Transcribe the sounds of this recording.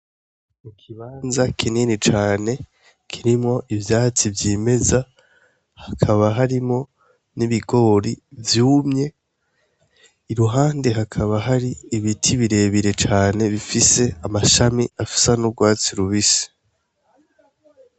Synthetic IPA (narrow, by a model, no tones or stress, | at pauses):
mukʰiβaːnzakʰininit͡ʃaːne̞ | kʰiɾimŋo̞ʔivjaːt͡sivjiːme̞za | hakʰaβaɦaɾimŋo̞ | niβiɡo̞ːɾivjuːmɲe̞ | iɾuɦaːnde̞ɦakʰaβaɦaɾiːβitʰiβiɾe̞ːβiɾe̞t͡ʃaːne̞βifise̞amaʃamiafi̥sanuɾɡwaːt͡siɾuβisi̥